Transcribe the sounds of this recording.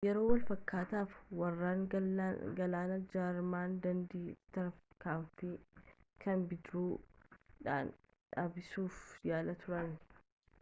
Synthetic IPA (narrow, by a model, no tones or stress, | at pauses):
jɛɾo̞ːwɐlfɐkːaːt̪aːfwɐrːaːŋ | ɡɐlaːnɐd͡ʒaːɾmaːnd̪ɐnd̪iːt̪ɐɾfkaːmfɪkɐnbɪd̪ɾuːᶑa̰ːn | ᶑaːbɪsuːfjaːlɐt̪ʊɾɐnːɪ̥